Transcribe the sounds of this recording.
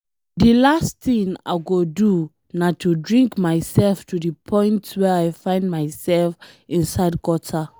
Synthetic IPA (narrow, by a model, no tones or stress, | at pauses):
dilasθĩŋa̰ɪɡodu | natʰudɹĩŋkmaɪsɛlftudipʰɔ̃ɪ̃ntwɛaɪfãɪ̃ndmaɪsɛlfĩnsaɪd̚kɔtʰa